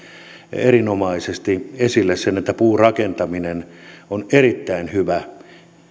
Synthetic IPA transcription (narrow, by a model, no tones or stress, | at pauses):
erinomɑisest̪iesilːessenet̪ːæpuːrɑkent̪ɑminenonerit̪ːæinhyʋæ